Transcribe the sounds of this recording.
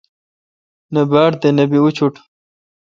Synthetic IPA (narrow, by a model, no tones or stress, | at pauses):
nɐbaːɽd̪enɐbiut͡ɕʰuʈ